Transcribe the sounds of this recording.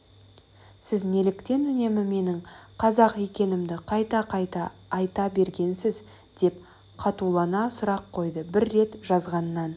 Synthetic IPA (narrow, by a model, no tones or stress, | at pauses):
sɪzne̞lɪkt̪e̞nʏne̞mɪme̞nɪɴqʰɑzɑqe̞kʲe̞nɪmd̪ɪqʰɑjt̪ɑqt̪ɑːjt̪ɑbe̞ɾɡʲe̞nsɪz | d̪̥e̞p | qʰɑt̪ulˠɑnɑsʊɾɑqʰːo̞jd̪əbɪɾːe̞t̪ʒ̥ɑzʁɑnːɑn